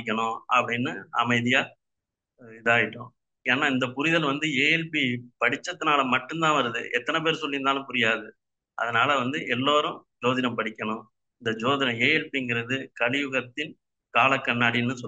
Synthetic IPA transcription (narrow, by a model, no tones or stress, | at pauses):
ɪk̬ʲːɐɳʊ̃ɐ̰pːɐɽɪnːɯɐ̰mɐɪðɪjaː | ɪðaːjɪʈːʊ̃ː | eːnːaːɪnd̪ɐpʊɾɪðɐlʋɐnd̪ɯeːjɛlpipɐɽɪt͡ʃːɐt̪ːɯnaːlɐmɐʈːɯnd̪ãːʋɐɾɯðɯ̰ʔɛt̪ːɐnɐp̬eːɾsɔlːɪɯnd̪aːlɯ̃mpʊɾɪjaːðɯ | ʔɐ̰ðɐnaːlɐʋɐnd̪ɯʔɛlːoːɾʊ̃d͡ʒoːðɪnɐmpɐɽɪkʲːɐɳʊ̃ | ɪnd̪ɐd͡ʒoːðɪnɐ̃eːjɛlpiɪŋɡɪɾɐðɯkɐɻɪjʋɯɣɐt̪ːɪn | kaːlɐkːɐɳːaːɽɪnːɯsɔ